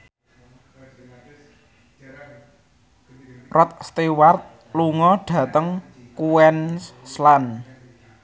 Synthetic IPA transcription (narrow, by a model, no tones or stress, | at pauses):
rɔt̪̚st̪ewart̪̚ | luŋɔɖ̥ä̤t̪əŋ | kuɛnslan